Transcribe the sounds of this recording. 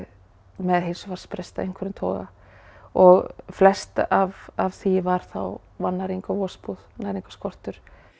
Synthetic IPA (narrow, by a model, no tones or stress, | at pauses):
mɛðɦejnsɔvaɾ̥spɾest̪aḛjŋ̥kʰvɛɾɪnt̪ʰɔ̰ːɣa̰ | ɔɣflɛst̪ʔavavθivaɾ̥θa̰w | vanːaɾiŋkavɔːspuðanaɾiŋkḁskɔr̥t̪ʏɾ̥